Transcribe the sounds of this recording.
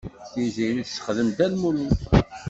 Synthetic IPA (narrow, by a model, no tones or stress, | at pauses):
θiziniθsə̥χðəmd̪ælmuli